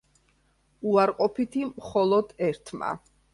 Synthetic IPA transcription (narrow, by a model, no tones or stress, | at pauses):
uaɾqʼɔpʰit̪ʰimχɔlˠɔd̪̥ɛɾt̪ʰma̰